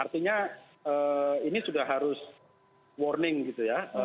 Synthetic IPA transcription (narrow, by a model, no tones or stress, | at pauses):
art̪iɲa | əinisudahɦaɾʊs | wɔrnɪŋɡit̪ujaə